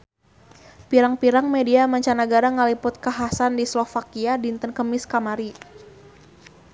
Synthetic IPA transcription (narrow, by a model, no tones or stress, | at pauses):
piɾaŋpiɾaŋmediamaɲt͡ʃanaɡaɾaŋəlipʊt̪̚kaɦasandislɔfakiadint̪ənkəmɪskamaɾi